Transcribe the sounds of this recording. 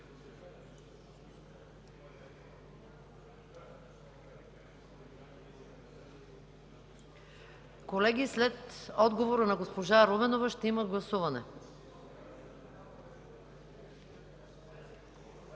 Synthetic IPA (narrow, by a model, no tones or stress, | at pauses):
kolɛɡislɛt̪ɔd̪ɡovoɾanaɡospoʒaɾovɛnovaʃt̪ɛimaɡlˠɐsuvanɛ̰